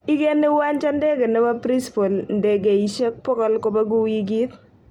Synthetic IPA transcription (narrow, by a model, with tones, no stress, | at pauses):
i˦ke˦nɪ˦wa˦nt͡ʃa˦nde˦ɡe˨nɛ˦wa˦pɾi˦spo˨lnde˨ɡe˨i˨ʃe˦k̚pɔ˦kɔ˦lko˦ba˦ɡu˦wi˦ɡi˦t̪